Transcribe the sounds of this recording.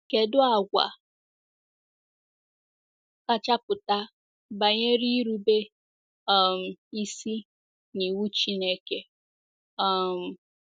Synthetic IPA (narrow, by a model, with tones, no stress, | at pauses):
ke˨dʊ˦a˨ɡʷa̰˨ | ka˦t͡ʃa˦pʊ˨ta˦ | ba˨ɲe˦ɾi˦ɾu˦be˦˨ | m̩˨i˦si˦ | ni˨wu˦t͡ʃi˦ne˦ke˨ | m̩˨